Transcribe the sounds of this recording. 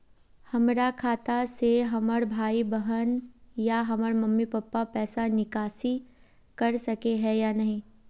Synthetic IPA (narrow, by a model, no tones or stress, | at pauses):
hɐmɾakʰaːt̪aseɦɐməɾbʱaːibɐɦənjaɦɐməɾmɐmːipɐpːapɛːsanɪkaːsi | kɐɾsɐkeɦɛjanɐɦĩː